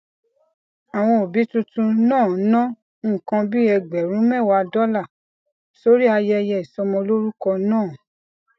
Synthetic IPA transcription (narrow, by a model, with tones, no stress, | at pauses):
a˨w̃ɔ̃˧o˨bi˨˦tũ˧tũ˧nãː˦˨nã˦˨ | kã˧bi˦ɛ˧ɡ͡bɛ˨ɾũ˨˦mɛ̃˦˨wa˧dɔ˦la˦˨ | so˦ɾi˦a˧jɛ˧jɛ˧i˨sɔ˧mɔ̃˧lo˦ɾu˦kɔ˧nãː˦˨